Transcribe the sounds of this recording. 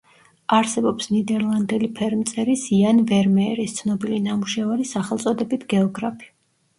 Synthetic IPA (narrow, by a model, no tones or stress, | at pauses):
aɾsɛbɔpsnid̪ɛɾlˠand̪ɛlipʰɛɾmt̪sʼɛɾisianvɛɾmɛɾist̪sʰnɔbilinamuʃɛvaɾisaχɛlˠt̪sʼɔd̪ɛbit̪ʰɡɛɔɡɾapʰi̥